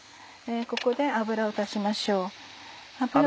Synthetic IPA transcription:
eko̞ko̞d̪e̞abɯ̟ɾaot̪aɕimaɕo̞ː | abɯɾ

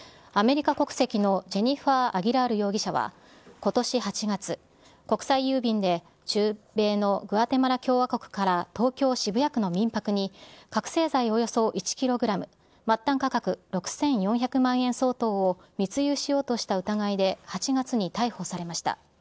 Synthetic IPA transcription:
ame̞ɾʲikako̞kɯ̟̥se̞kʲino̞d͡ʑe̞ɲ̟iɸaʔaɡʲiɾaɾɯ̟jo̞ːɡʲiɕaβ̞a̰ | ko̞t̪o̞ɕihat͡ɕiɡat͡sɨ | ko̞kɯ̟̥saijɯːbʲĩnd̪e̞ | t͡ɕɨːbe̞ːno̞ɡɯ̟at̪e̞maɾakʲo̞ːβako̞kɯ̟̥kaɾat̪o̞ːkʲo̞ːɕibɯ̟jakɯ̟no̞mʲĩmpakɯ̟ɲ̟ikakɯ̟̥se̞ːzaio̞jo̞so̞ʔit͡ɕi̥kʲiɾo̞ɡɯ̟ɾamɯ̟ | mat̪ːãŋkakakɯ̟ɾo̞kɯ̟̥sẽ̞ɰ̃jõ̞çakɯ̟mãɰ̃ẽ̞ɰ̃so̞ːt̪o̞ːo | mʲit͡sɨjɯːɕijo̞ːt̪o̞ɕi̥t̪aɯ̟t̪aɡaid̪e̞hat͡ɕiɡat͡sɨɲ̟it̪aiho̞saɾe̞maɕi̥t̪a̰

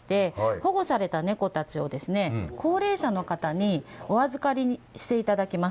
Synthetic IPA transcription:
i̥t̪e̞ho̞ɡo̞saɾe̞t̪ane̞ko̞t̪at͡ɕio̞d̪e̞sɨne̞kʰo̞ːɾe̞ːɕano̞kat̪aɲ̟io̞βazɨkaɾʲi | ɕi̥t̪e̞it̪ad̪akʲima

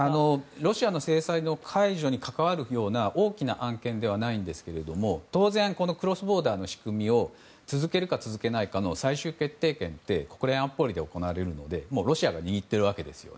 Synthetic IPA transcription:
ano̞ɾo̞ɕiano̞se̞ːsaino̞kʰaiʑo̞ɲ̟ikakaβaɾɯ̟jo̞ːnaʔo̞ːkʲinaʔãŋkẽ̞nd̪e̞βanaĩnd̪e̞sɨ̥ke̞ɾe̞d̪o̞mo̞t̪o̞ːzẽ̞ŋko̞no̞kɯ̟ɾo̞sɨbo̞ːd̪aːno̞ɕi̥kɯ̟mʲio̞ | t͡sɨzɨke̞ɾɯ̟kat͡sɨzɨke̞naikano̞saiɕɨːke̞t̪ːe̞ːkẽ̞nt̪e̞ko̞̥kɯ̟ɾẽãmpo̞ɾʲid̪e̞o̞ko̞naβaɾe̞ɾɯ̟no̞d̪e̞mo̞ːɾo̞ɕiaɡaɲ̟iɡʲit̪ːe̞ɾɯ̟β̞ake̞d̪e̞sɨ̥jo̞̰n

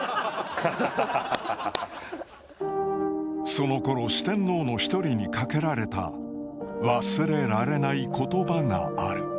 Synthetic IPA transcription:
so̞no̞ko̞ɾo̞ɕi̥t̪ẽ̞nːo̞ːno̞çi̥t̪o̞ɾʲiɲ̟ikake̞ɾaɾe̞t̪a̰ | βasɨɾe̞ɾaɾe̞naiko̞t̪o̞baŋa̰aɾɯ̟

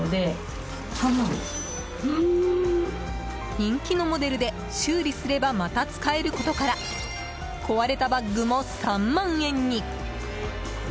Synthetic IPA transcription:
d̪e̞ | sãmã | ɯ | ɲĩŋkʲino̞mo̞d̪e̞ɾɯ̟d̪e̞ | ɕɨːɾʲisɨɾe̞bamat̪at͡sɨ̥kae̞ɾɯ̟ko̞t̪o̞kaɾa | kʰo̞βaɾe̞t̪abaɡɡɯ̟mo̞sãmːãɰ̃ẽ̞ɲ̟ːi

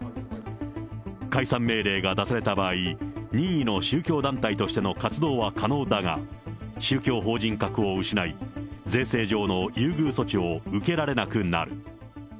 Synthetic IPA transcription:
kaisãmːe̞ːɾe̞ːɡad̪asaɾe̞t̪abaːiɲ̟ĩɰino̞ɕɨːkʲo̞ːd̪ãnt̪ait̪o̞ɕi̥t̪e̞no̞kat͡sɨd̪o̞ːβakʰano̞ːd̪aɡa̰ɕɨːkʲo̞ːɦo̞ːʑĩŋkakɯ̟o̞ɯ̟ɕinaid͡zẽ̞ɰ̃se̞ːʑo̞ːno̞jɯ̟ːɡɯ̟ːso̞t͡ɕio̞ɯ̟ke̞ɾaɾe̞nakɯ̟nːa̰ɾɯ̟

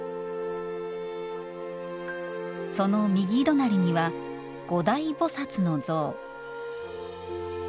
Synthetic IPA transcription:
so̞no̞mʲiɡʲiːd̪o̞naɾʲiɲ̟iβa | ɡ̥o̞d̪aibo̞sat͡sɨno̞d͡zo̞ː

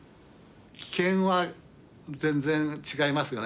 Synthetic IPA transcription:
kʲi̥kẽ̞ɰ̃βa | zẽ̞nd͡zẽ̞nt͡ɕiɡaimasɨjo̞n

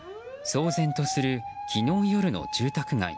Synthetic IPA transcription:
so̞ːzẽ̞nt̪o̞sɨɾɯ̟kʲʰino̞ːjo̞ɾɯ̟no̞̰d͡ʑɨːt̪akɯ̟ɡa̰ḭ

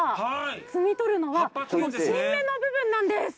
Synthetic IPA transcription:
t͡sɨmʲit̪o̞ɾɯ̟no̞βasonoɕĩnːẽnːo̞bɯ̟bɯ̟̃nːãnd̪e̞sɨ̥

